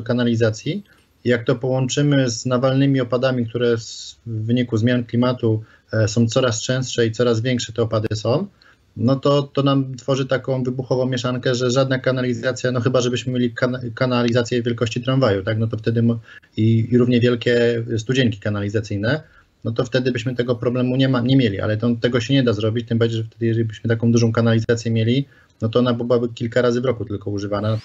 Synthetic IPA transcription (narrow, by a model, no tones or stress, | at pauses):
kanalʲizat̪sʲji | ijak̚t̪ɔpɔwɔnt͡ʂɘmɘznavalnɘmʲiɔpad̪amʲikt̪uɾɛzːɘɲikuzmʲjanklʲimat̪u | sɔ̃w̃t̪sɔɾast͡ʂɛ̃st̪ʂɛit̪sɔɾazvʲjɛŋkʂɛt̪ɛɔpad̪sɔ̃w̃ | nɔt̪ɔt̪ɔnamt̪fɔʐɘt̪akɔ̃w̃vɘbuxɔvɔ̃w̃mʲjɛʂankɛʐɛʐad̪nakanalʲizat̪sʲjanɔxɘbaʐɛbɘɕmɘmʲelʲikakanalʲizat̪sʲjɛvʲjɛlkɔɕt͡ɕit̪ɾanvajut̪aknɔt̪ɔft̪ɛd̪ɘmiɾuvɲɛvʲjɛlkʲɛst̪ud͡ʑɛŋkʲi̥kanalʲizat̪sɘjnɛ | nɔt̪ɔft̪ɛd̪ɘbɘɕmɘt̪ɛɡɔpɾɔblɛmuɲɛmaɲɛmʲjelʲiʔa̰lɛt̪ɔt̪ɛɡɔɕɛɲɛd̪azɾɔbʲit͡ɕt̪ɘmbaɾd͡ʑejʐɛft̪ɛd̪ɘjɛʐɛlʲibɘɕmɘt̪akɔ̃w̃d̪uʐɔ̃w̃kanalʲizat̪sʲjɛmʲjelʲi | nɔt̪ɔɔnabbɘwabɘkʲilkaɾazɘvɾɔkut̪ɘlkɔuʐɘvana